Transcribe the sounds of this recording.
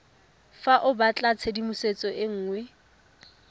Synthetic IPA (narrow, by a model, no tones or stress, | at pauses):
faʔʊbat͡ɬʼat͡sʰedimuset͡sʼɔʔɪŋ̩ːŋwɛ